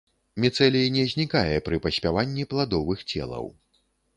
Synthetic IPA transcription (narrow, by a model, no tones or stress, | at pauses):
mʲɛt̪sɛlʲijinʲɛzʲnʲikajɛpɾɨpɐsʲpʲavanʲːiplˠad̪ɔvɨxt͡sʲɛ̰lˠɐ̰w